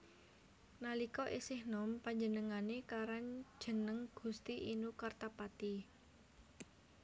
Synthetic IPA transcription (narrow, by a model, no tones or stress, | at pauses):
nalikɔʔisɪhnɔmpaɲd͡ʒənəŋanekaɾand̥ʒ̥ə̤nəŋɡ̥ṳst̪iʔinukart̪apat̪i